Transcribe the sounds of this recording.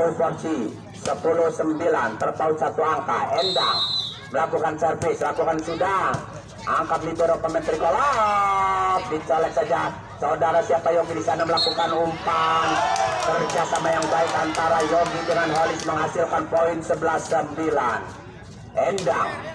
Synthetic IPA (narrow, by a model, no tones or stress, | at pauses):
ufɔrt͡ʃi | səpulʊhsəmbilant̪ərt̪aʊt̪̚sat̪uaŋkaɛndaŋ | məlakukansərfɪslakukansudah | ʔaŋkaplibəɾopəmənt̪ɾikola | p̚dit͡ʃalɛk̪̚sad͡ʒa | saudaɾasiapajɔŋɡidisanaməlakukanumpant̪ərd͡ʒiasamajaŋbaikant̪aɾajɔŋɡidəŋanɦolɪsməŋɦasilkanpoinsəbəlasəmbilan | ɛndaŋ